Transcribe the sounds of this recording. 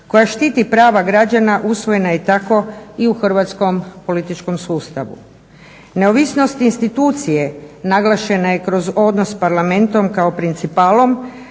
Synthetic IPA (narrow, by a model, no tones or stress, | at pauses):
kojaʃt̪iːt̪ipɾaːʋaɡɾad͡ʑanaʔusʋo̞je̞najet̪ako̞iuxr̩ʋat̪sko̞mpo̞lit̪it͡ʃko̞msuːst̪aʋṵ | ne̞oʋisno̞st̪inst̪it̪uːt̪sije̞naɡlˠaʃe̞najekɾo̞zo̞d̪nosːpaɾlame̞nt̪o̞mkaopɾint̪sipaːlˠo̞m